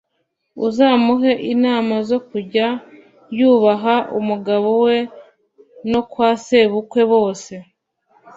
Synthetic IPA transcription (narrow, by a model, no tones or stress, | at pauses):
uzaːmuɦe̞ʔinaːmazo̞kuɟa | juːβaɦaʔṵmuɡaβo̞we̞ | no̞kwaːse̞βukwe̞βo̞ːse̞